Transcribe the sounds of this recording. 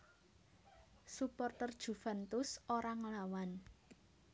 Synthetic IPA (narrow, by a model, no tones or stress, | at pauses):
supɔrt̪ərd̥ʒ̥ṳfa̤nt̪ʊsoɾaŋlawan